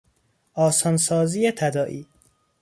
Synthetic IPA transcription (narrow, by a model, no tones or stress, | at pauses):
ʔɒːsɒnsɒːziːjet̪ʰæd̪ɒːʔiː